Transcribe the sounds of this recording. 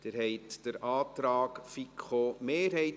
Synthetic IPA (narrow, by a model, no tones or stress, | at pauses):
d̥ɪɾɦɛɪtd̥əɾʔɑːtɾɑːkfikχomeːɾhɛɪt